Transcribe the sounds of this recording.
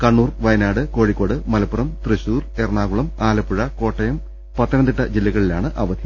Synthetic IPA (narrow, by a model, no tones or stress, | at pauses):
kɐɳːuːrʋɐjɐnaːɽɨko̞ːɻikːo̞ːɽɨmɐlɐpːurɐmt̪rɨɕuːre̞rɳaːɣuɭɐmaːlɐpːuɻɐko̞ːʈːɐjɐm | pɐt̪ːɐnɐnd̪iʈːɐd͡ʑilːɐɣɐɭilaːɳɨʔɐʋɐd̪ʱjɐ